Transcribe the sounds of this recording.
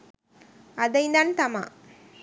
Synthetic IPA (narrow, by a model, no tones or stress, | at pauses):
ɐðɐj̃nd̪aːnt̪ɐma̰ː